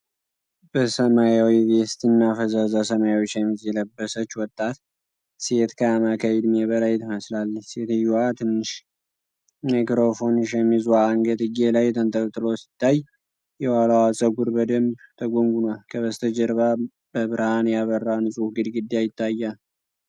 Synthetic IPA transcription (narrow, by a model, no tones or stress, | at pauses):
bəsəmajawiβest̪ɨnːafəzazasəmajawot͡ʃːjɛmːizjɛləbːəsət͡ʃːwɔt̪ʼːat̪ | se̞t̪kʰamakʰajɛd̪mebəlajt̪ʰɨməslalːəse̞t̪ɨjːuwat̪ʰɨnːɨʃ | majkɾo̞fo̞nʃ̬ɛmːizwaːŋɡət̪ʼɨɡelajt̪ʰənt̪ʼəkʼt̪ʼɨlosɪ̥t̪ʰːaj | jɛwalawasʼəɡuɾbəd̪əmbt̪ʰəɡoŋɡunalkʰəβəst̪ʰəd͡ʒɛɾβa | bəβɨɾhanjaβərːanɨsʼufɡɨd̪ɡɨd̪ːjajɪt̪ʰːajːal